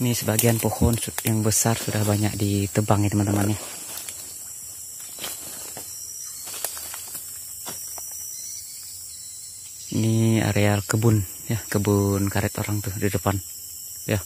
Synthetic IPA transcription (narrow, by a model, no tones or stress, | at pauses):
nisəbaɡianpohɔnsujaŋbəsarsudahbaɲa̰k̚dit̪əbaŋit̪əmant̪əmanja | nia̰ɾealkəbʊn | jakəbunkaɾɛt̪o̰ɾaŋt̪uhdidəpan | ja